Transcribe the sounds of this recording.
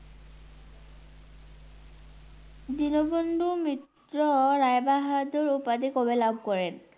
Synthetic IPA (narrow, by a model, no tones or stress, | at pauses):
dinɔbondʱumit | ɹɔɹajbaɦadɔɹupadikɔbɛlab̚ʱkɔɹɛn